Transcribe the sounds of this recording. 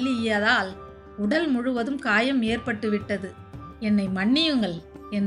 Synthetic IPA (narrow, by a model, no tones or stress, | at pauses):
lɪɪjaːðaːl | ʊɽɐlmʊɻɯʋɐðɯmkaːjɐmːeːrpɐʈːɯʋɪʈːɐðɯ | ɛnːɐɪmɐɳːɪjɯŋɡɐɭɛn